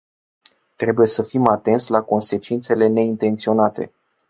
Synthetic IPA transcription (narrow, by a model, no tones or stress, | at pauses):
t̪ɾe̞buje̞səfimat̪e̞nt̪sʲlako̞nse̞t͡ʃint̪se̞le̞ne̞int̪e̞nt̪sio̞nat̪e̞̰